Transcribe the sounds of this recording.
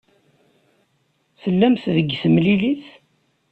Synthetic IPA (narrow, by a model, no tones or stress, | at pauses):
θəlːæmθðəɡːθəmliliθ